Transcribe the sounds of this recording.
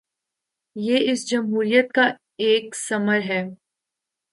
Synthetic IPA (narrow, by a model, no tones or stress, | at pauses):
jeːɪsd͡ʒɐmɦuːɾijət̪̚ka | eːksɐməɾɦɛː